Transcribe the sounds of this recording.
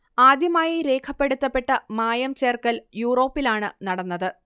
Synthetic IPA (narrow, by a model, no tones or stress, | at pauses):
aːd̪jɐmaːjiɾe̞ːkʰɐpːe̞ɽut̪ːɐpːe̞ʈːɐmaːjɐmt͡ɕe̞ːrkɐljuːro̞ːpːilaːɳɨnɐɽɐnːɐðɨ